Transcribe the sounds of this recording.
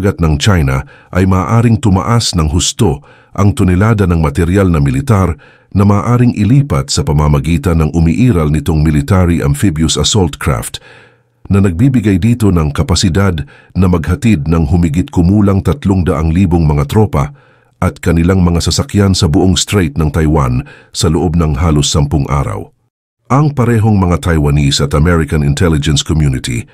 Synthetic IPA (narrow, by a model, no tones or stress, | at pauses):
ɡɐt̪̚nɐŋt͡ʃajnɐ̰ | ʔɐjmaːʔaːɾɪŋt̪ʊmɐ̰ʔasnɐŋɦʊst̪o̞ | ʔɐŋt̪ʊnɛlaːd̪ɐnɐŋmɐt̪ɛɾjalnɐmɪlɪt̪aɾ | nɐmaːʔaːɾɪŋʔɪliːpɐt̪sɐpɐmamɐɡiːt̪ɐnːɐŋʔʊmiʔiːɾɐlnɪt̪o̞ŋmɪlɪt̪aɾiʔɐ̰nfibjʊsɐsolt̪kɹa̰ft̪ | nɐnɐɡ̚bibɪɡajd̪iːt̪o̞nɐŋkɐpɐsɪd̪ad̪ | nɐmɐɡ̚hɐt̪id̪̚nɐŋɦʊmɪɡɪt̪̚kʊmuːlɐŋt̪ɐt̪loŋd̪ɐʔaŋliːboŋmɐŋat̪ɾo̞pɐ | ʔɐt̪kɐnɪlaŋmɐŋasɐsɐkjansɐbʊʔoŋst̪ɾejt̪̚nɐŋt̪ɐjwansɐloʔo̞b̚nɐŋɦaːlosːɐmpʊŋʔa̰ːɾɐ̰w | ʔɐŋpɐɾɛɦo̞ŋmɐŋat̪ʰɐjwɐnisɐt̪ɐmɛɹɪkɐnɪnt̪ʰɛlɪd͡ʒɛnskɔmjunɪt̪ʰḭ